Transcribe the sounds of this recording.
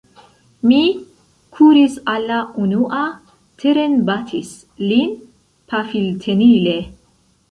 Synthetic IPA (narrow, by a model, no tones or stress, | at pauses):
mi | kʰuɾisalːaʔunuʔa | t̪ʰeɾenbat̪ʰis | lin | pʰafilt̪ʰenile